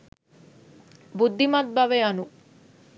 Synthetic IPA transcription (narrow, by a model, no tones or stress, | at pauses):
bud̪ʱːimat̪̚bɐʋeɐnu